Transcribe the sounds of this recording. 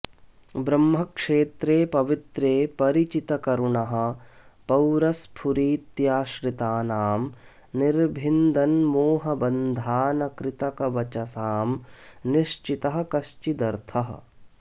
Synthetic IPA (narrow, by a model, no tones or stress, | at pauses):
bɾɐmːɐkʂeːt̪ɾeːpɐʋit̪ɾeːpɐɾit͡ʃit̪ɐkɐɾuɳɐɦɐ̆pɐwɾɐspʰuɾiːt̪jaːʃɾɪt̪aːnaːm | niɾbʱɪnd̪ɐnmoːɦɐbɐnd̪ʱaːnɐkɾɪt̪ɐkɐʋɐt͡ʃɐsaːmniʃt͡ʃit̪ɐɦɐ̆kɐʃt͡ʃid̪ɐɾt̪ʰɐɦɐ̰̆